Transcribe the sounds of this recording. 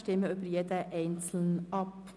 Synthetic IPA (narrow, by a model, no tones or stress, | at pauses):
ʃtɪməʏbəɾjed̪əʔɛɪnt͡sl̩nʔɑp